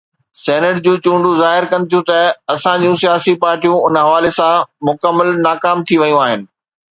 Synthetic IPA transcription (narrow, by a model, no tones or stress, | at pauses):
sɛːnəʈd͡ʑũːt͡ɕũːɳɖuzaːɦɪɾkɐ̃n̆t̪ʰijũt̪ɐɐsãd͡ʑũsijaːsipaːɾʈijũʊnɦɐʋaːlesãmʊkəmːəlnaːkaːmt̪ʰiʋɐjũaːɦɪnɪ̆